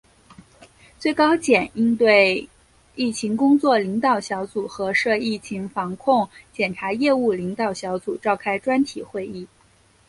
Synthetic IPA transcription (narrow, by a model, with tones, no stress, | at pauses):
t͡swe˥˩ɪkɑ˥ʊt͡ɕjɛ˨˩ni˥nt̪we˥˧ɪ | i˥˩t͡ɕʰi˧˥ŋkʊ˥ŋt͡swɔ˥˩li˧˥ŋt̪ɑ˨˩ʊɕjɑ˧˥ʊt͡su˨˩xɤ˧˥ʂɤ˥˧i˥˩t͡ɕʰi˧˥ŋfɑ˧˥ŋkʰʊ˥˩ŋt͡ɕjɛ˨˩nʈ͡ʂʰa˧˥jɛ˥˧u˥˩li˧˥ŋt̪ɑ˨˩ʊɕjɑ˧˥ʊt͡su˨˩ʈ͡ʂɑ˥˩ʊkʰa˥ɪʈ͡ʂwa˥nt̪ʰi˨˩xwe˥˧ɪi˥˩